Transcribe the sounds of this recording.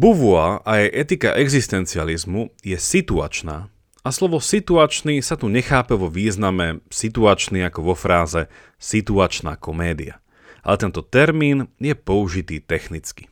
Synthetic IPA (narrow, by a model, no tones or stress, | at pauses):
buʋuaʔajɛjʔɛt̪ika̰ʔɛɡzist̪ɛnt͡sializmujɛsit̪ua̰t͡ʃnaː | aslɔʋɔsit̪uat͡ʃnisat̪uɲɛxaːpɛʋɔʋiːznamɛsit̪uat͡ʃniakɔʋɔfɾaːzɛ | sit̪uat͡ʃna̰ːkɔmɛːd̪ḭa̰ | alɛt̪ɛnt̪ɔt̪ɛɾmiːnjɛpɔuʒit̪iːt̪ɛxnit͡ski̥